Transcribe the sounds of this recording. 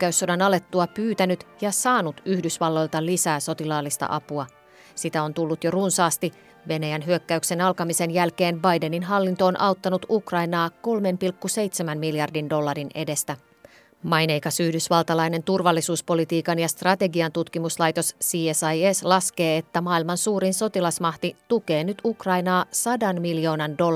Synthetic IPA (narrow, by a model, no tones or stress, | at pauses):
kːæysːodɑnɑle̞t̪ːuɑpyːt̪ænyt̪jɑsɑːnut̪yhdysʋɑlːo̞jlt̪ɑlisæːso̞t̪ilɑːlːist̪ɑ̰ʔɑpuɑ | sit̪æo̞nt̪ulːut̪jo̞runsɑːst̪i | ʋe̞næjænɦyøkːæykse̞nɑlkɑmise̞njælke̞ːnbɑjde̞ninɦɑlːint̪oonʔɑwt̪ːɑnut̪ukrɑjnɑːko̞lme̞mpilkːuse̞jt̪semænmiljɑrdindo̞lːɑrine̞de̞st̪æ | mɑjnejkɑsyhdysʋɑlt̪ɑlɑjne̞nt̪urʋɑlːisuːspo̞lit̪iːkɑnjɑst̪rɑt̪e̞ɡiɑnt̪ut̪kimuslɑjt̪o̞ssiːesɑjeslɑske̞ːet̪ːæmɑːilmɑnsuːɾinso̞t̪ilɑsmɑht̪it̪uke̞ːnyt̪ukrɑjnɑːsɑdɑnmiljo̞ːnɑndo̞